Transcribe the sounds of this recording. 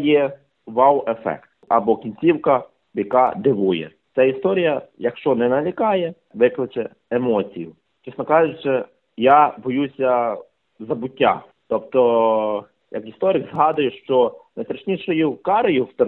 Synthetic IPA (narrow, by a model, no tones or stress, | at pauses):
jɛ | ʋɑwefɛ̰kt̪ɐbɔkʲinʲt͡sʲiwkɐ | bjɐkɑd̪ɪʋujɛ̰ | sʲɛist̪ɔɾʲijɐjɐkʃt͡ʃɔnɛnɐlʲikɑjɛ | ʋɪklˠɪt͡ʃɛ | emɔt͡sʲijʊ | t͡ʃisnɔkɑʒʊt͡ʃɪ | jabɔjusʲɐ | zɐbʊtʲːa̰ | t̪ɔpt̪ɔ | jɐ̰kist̪ɔɾɪkzɦɑd̪ʊjʊʃt͡ʃɔnɐjt̪ɾɐʃnʲiʃɔjʊkɑɾɐjʊt̪